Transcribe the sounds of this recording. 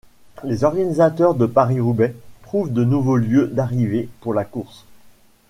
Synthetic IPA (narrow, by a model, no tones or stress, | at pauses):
lezɔʁɡanizat̪œʁd̪əpaʁiʁubɛpχuvd̪ənuvoljød̪aʁivepuʁlakuʁs